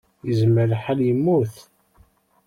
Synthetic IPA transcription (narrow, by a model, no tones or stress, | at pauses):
jəzmːəɾħaljəmːuθ